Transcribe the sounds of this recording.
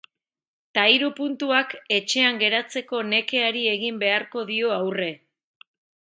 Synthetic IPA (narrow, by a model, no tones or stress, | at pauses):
t̪aiɾupunt̪uake̞t͡ʃe̞aŋɡe̞ɾat͡se̞ko̞ne̞ke̞aɾie̞ɣimbe̞aɾko̞ðio̞awre̞